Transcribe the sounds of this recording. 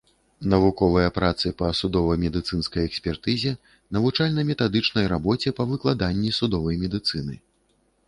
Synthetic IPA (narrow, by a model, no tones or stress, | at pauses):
nɐvukɔvɐjɐpɾat̪sɨpɐsud̪ɔvɐjmʲɛd̪ɨt̪sɨnskɐjɛksʲpʲɛrt̪ɨzʲɛ | nɐvut͡ʂalʲnɐmʲɛt̪ad̪ɨt͡ʂnɐjɾabɔt͡sʲɛpɐvɨklˠad̪anʲːisud̪ɔvɐjmʲɛd̪ɨt̪sɨnɨ̰